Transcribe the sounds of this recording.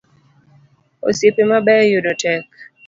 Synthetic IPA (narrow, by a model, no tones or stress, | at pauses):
o̰sepemabɛjʊdɔtɛk̚